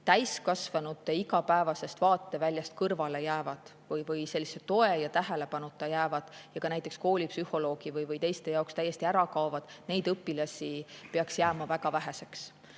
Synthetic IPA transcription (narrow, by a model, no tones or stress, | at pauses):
t̪æjskɑsvɑnut̪ːˑeiɡɑpæe̞vɑse̞st̪vɑːt̪ːˑe̞vælʲjɑst̪̚kɤrvɑle̞jæːvɑd̪̥ | vɯjvɯjse̞lːiset̪o̞e̞jɑt̪æɦe̞le̞pɑnut̪ːˑɑjæːvɑd̪̥jɑkɑnæjt̪ˑeksko̞ːlʲipsyhˑo̞lo̞ːɡ̥ivɯjvɯjt̪e̞jst̪e̞jɑokst̪æjːe̞st̪iæɾɑkɑovɑd̪̥ne̞jd̪ɤpːˑilɑsʲipeɑksjæːmɑvæɡɑvæɦe̞se̞ks